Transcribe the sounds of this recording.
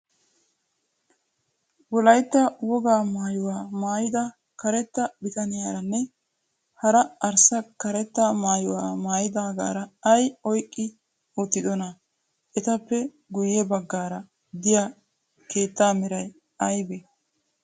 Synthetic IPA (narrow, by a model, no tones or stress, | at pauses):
wɔlɐjt̪ːɐwɔɡaːmaːjʊwaːmaːjɪd̪ɐ | kɐɾɛt̪ːɐbɪt̪ɐnɪjaːɾɐnːɛ | hɐɾɐɐɾsɐkɐɾɛt̪ːamaːjʊwaːmaːjɪd̪aːɡa̰ːɾɐɐjɔjkʼːɪ | ʊt̪ːɪd̪ɔnɐ | ʔɛt̪ɐpːɛ | ɡʊjːɛbɐɡːaːɾɐ | d̪ɪja | ke̞ːt̪ːaːmɪɾɐj | ɐjbɛ